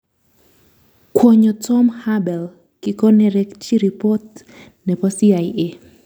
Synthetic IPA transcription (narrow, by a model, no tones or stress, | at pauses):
kʰwɔɲɔtʰɔmhabɛl | kikɔnɛɾɛkt͡ʃiɾipɔt | nɛpɔsiaje